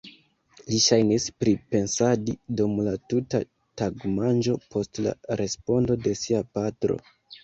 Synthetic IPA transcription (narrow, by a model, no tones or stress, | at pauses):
liʃajnispɾipe̞nsadidumlatuta | taɡmand͡ʒo̞pʰo̞stla̰ɾe̞spo̞ndo̞de̞siapatɾo̞̰